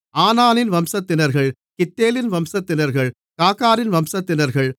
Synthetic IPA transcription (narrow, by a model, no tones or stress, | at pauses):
aːnaːnɪnʋɐmsɐt̪ːɪnɐɾɣɐɭ | kɪt̪ːeːlɪnʋɐmsɐt̪ːɪnɐɾɣɐɭ | kaːkaːɾɪnʋɐmsɐt̪ːɪnɐɾɣɐɭ